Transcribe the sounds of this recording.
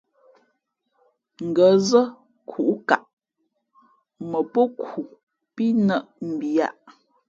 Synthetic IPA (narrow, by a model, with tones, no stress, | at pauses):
ŋ̩˨ɡə˨˦zə˦ | kʰu˨ʔka̰˨ʔ | mə˨pə˦ku˨ | pi˦nə˦˨ʔm̩˨bja̰˦˨ʔ